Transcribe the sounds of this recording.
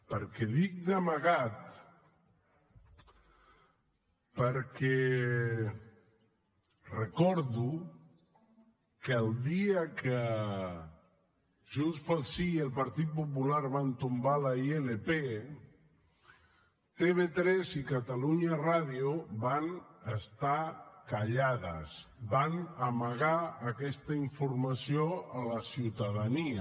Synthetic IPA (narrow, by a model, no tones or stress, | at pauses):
pəɾkɛðik̚d̪amaɣat̪ | pəɾkɛ | rəkɔɾðu | kalˠd̪iakʰə | ʒunspəlˠsiəlˠpaɾt̪it̪̚pup̬ulaɾβant̪umbalaielepe | t̪eβet̪ɾɛzikat̪aluɲaraðiuβanəst̪akaʎaðə̰sbanəməɣaəkɛst̪əiɱfuɾmasijoələsiwt̪aðaniə